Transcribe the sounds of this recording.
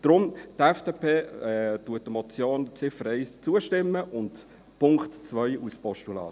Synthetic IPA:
d̥ɾʊmtɛfd̥eːpʰeːtuət̚ːəmɔt͡sjoːnt͡sɪfəɾɛɪst͡suəʃtɪmːəʔʊnt | pʊŋktt͡svœʏuspɔʃtulɑ̰ːt

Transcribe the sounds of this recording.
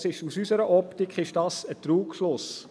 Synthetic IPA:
sɪʃusysəɾəʔɔptikχɪʃd̥ɑsət̪ɾuːkflʊs

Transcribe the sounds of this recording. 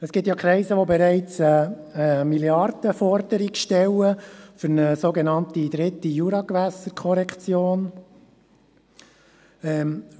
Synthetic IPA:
əsɡ̥ɪtjɑkʰɾɛɪzəʋobɛɾɛɪt͡sɛːmiljɑrd̥əfɔɾd̥̪əɾikʃtɛləfʏɾnəsoɡenɑnt̪id̥̪ɾɪt̪ːijuɾɑkʋæsəɾkʰɔɾɛkt͡sjoːn | ɛ

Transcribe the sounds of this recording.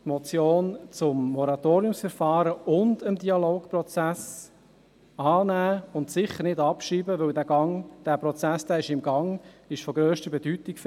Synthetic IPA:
tmɔt͡sjoːnt͡sʊmːɔɾɑt̪oːɾiʊmsfəɾfɑːɾəʊndəmdiɑloːkprɔt͡sæs | ɑːnæːʊnt̪sɪχːəɾnɪdɑpʃiːbəʋɵwdæɡɑŋd̥æːpɾɔt͡sæsd̥̪æːɪʃɪmɡɑŋɪʃfɔɡɾøːʃtəbɛdytɪkf

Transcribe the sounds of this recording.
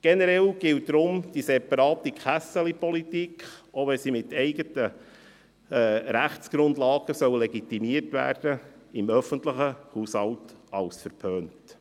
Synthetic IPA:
ɡ̥ɛnəɾɛlɡ̥ɪlt̚d̥ɾʊmd̥isɛpɑɾɑːt̪ikχæsəlipɔlitikχoʋɛsimɪtɛɪɡətə | ɛɾæχt͡sɡ̥ɾʊndlɑːɡ̥əsœwleɡitimiərtʋæ̰ːrd̥əɪmœfəntləχəhuːshɑltɑlsfəɾpʰøːnt

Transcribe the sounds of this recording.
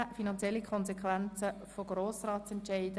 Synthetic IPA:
finɑnt͡sjɛlːikʰɔnzɛkʋɛnt͡sə | foɡ̥ɾoːsrɑːtsɛntʃɛɪdə

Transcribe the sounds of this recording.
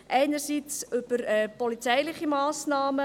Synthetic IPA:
ʔɛɪnərsit͡sʏb̥əɾɛːpɔlit͡sɛɪlɪχimɑːsnɑːmə

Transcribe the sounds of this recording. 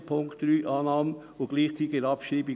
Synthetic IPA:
pʰʊŋktɾyːʔɑːnɑːmən | ʊɡ̥liːχt͡siːt̪ɪəɾɑpʃriːbɪ

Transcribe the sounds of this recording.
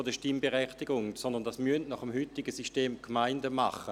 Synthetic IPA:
ɐdəʃtɪmbeʁɛχtiɡʊŋsɔndɐnd̥ɑsmyəntnɑχəmhytɪɡəsiʃteːmkmaɪndəma̰χə

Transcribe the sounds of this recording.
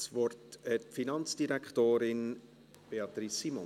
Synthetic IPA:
svɔrtɛtfinɑnt͡sd̥iɾækχtoːɾɪn | b̥eɑt̪risːimɔ

